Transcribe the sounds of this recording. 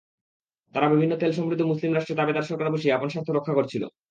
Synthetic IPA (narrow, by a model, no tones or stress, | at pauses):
t̪aɾabibʱinːot̪elʃɔmɾid̪ʱːomuslimɾaʃʈɾeɾt̪abed̪aɾʃɔɾkaɾboʃiaponʃast̪ʰːoɾokʰːakoɾt͡ɕʰilo̰